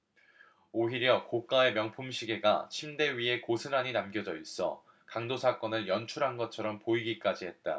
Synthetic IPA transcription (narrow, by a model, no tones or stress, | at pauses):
oɦiɾjʌkok͈ae̞mjʌŋpʰumɕʰiɡe̞ɡat͡ɕʰimde̞ɥie̞kosʰɯnaɲinamɡjʌd͡ʑʌis͈ʌ | kaŋdosʰak͈ʌnɯɭjʌnt͡ɕʰuɾɦanɡʌt̚t͡ɕʰʌɾʌmpoiɡik͈ad͡ʑiɦe̞t̚t͈a̰